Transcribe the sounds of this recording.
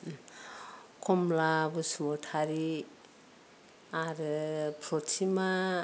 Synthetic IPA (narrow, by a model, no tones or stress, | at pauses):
komlabusmoʈʰaɾi | aɾɯpʰɾot͡sʰima